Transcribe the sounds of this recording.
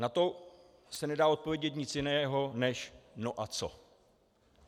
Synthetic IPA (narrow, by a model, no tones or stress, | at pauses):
nat̪o̞ | sɛnɛdaːo̞t̪̚po̞vjɛɟɛt̪̬ɲɪt͡sjɪnɛːɦo̞nɛʃnoʔat͡so̞̰